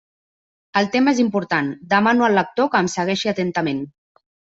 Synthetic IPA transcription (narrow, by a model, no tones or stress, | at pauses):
əlˠt̪emezimpuɾt̪and̪əmanuəlːək̚t̪okəːmsəɣ̞ɛʃiat̪ənt̪əmen